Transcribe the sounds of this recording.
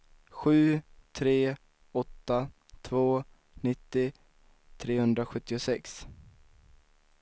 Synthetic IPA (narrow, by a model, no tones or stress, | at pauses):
ɧʉ̟ːt̪ʰɾeː | ɔt̪ːa | t̪ʰvoː | nɪt̪ːɪ | t̪ʰɾeːhɵnd̪ɾaɧɵt̪ːɪʊsɛks